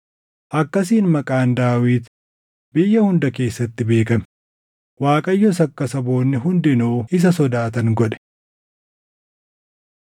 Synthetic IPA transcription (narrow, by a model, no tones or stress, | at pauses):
ʔɐkːɐs̬iːnmɐkʼaːnd̪aːwiːt̪ | bɪjːɐhʊnd̪ɐke̞ːsːɐt̪ːɪbe̞ːkɐmɛ | waːkʼɐjːɔsɐkːɐsɐbo̞ːnːɪɦʊnd̪ɪnoːɪs̬ɐsɔd̪aːt̪ɐŋɡɔᶑɛ̥